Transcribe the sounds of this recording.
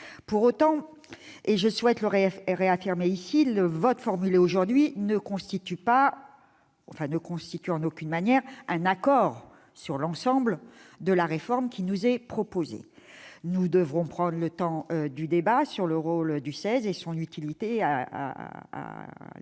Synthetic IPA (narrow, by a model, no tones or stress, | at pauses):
puʁot̪ɑ̃ | eʒəswɛt̪ləʁeʁeafiʁmeisiləvɔt̪fɔʁmyleoʒuʁd̪ɥinəkɔ̃st̪it̪ypa | ɑ̃fɛ̃nəkɔ̃st̪it̪yɑ̃nokʲynmanjɛʁɛ̃nakɔːʁ | syʁlɑ̃sɑ̃bld̪əlaʁefɔʁmkʲinuzɛpχɔpozḛnud̪əvʁɔ̃pχɑ̃d̪ʁlət̪ɑ̃ød̪yd̪ebasyʁləʁold̪ysɛzesɔ̃nyt̪ʰilit̪ea̰a̰a̰